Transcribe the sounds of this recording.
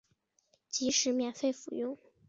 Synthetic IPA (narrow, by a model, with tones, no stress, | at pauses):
t͡ɕi˧˥ʂɻ̩˧˥mjɛ˨˩nfe˥˩ɪfu˨˩jʊ˥˩ŋ